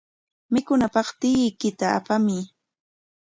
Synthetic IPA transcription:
mɪkʊnapɑχt̪ɪkɪt̪aa̰pamɪ

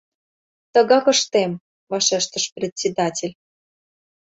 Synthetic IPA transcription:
t̪ə̆ɣɑkə̆ʃt̪em | vɑʃeʃt̪ə̆ʃprʲet̪ʲsʲed̪ɑtʲelʲ

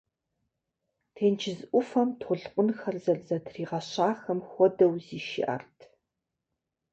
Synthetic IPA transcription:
tʰeːnt͡ʃʰɪzʔʷʊfɐmtʰχʷʊɮqʷʼʊnxɐrzɐrzɐtʰriːʁɐɕaːxɐmxʷɔdɐwziːʃɪ̰ʔɐ̰rtʰ

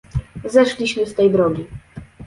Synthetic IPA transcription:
zɛʂlʲiɕmɘst̪ɛjbɾɔɡʲi

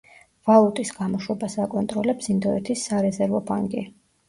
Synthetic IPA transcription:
v̥alˠut̪ʼisɡamɔʃwɛbasakʼɔnt̪ʼɾɔlɛpsind̪ɔɛt̪ʰisːaɾɛzɛɾvɔpʰa̰ŋɡʼḭ

